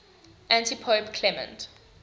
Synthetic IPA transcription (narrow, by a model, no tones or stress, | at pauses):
ʔæ̃ntipʰoʊpkʰlɛmə̰̃nt